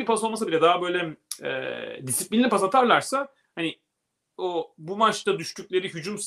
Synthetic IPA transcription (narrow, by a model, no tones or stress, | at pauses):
ipʰasolˠmasabilʲɛd̪aɦabø̞jlʲɛɛ̰d̪isiplʲinʲiipʰasat̪ʰaɾlˠaɾsa | hanɪ | obumat͡ʃt̪ad̪yʃcʰyc̚lʲe̞ɾiɦyd͡ʒums